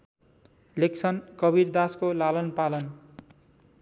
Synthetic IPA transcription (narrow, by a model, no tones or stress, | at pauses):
leksʰʌnkʌbird̪askolalʌnpalʌn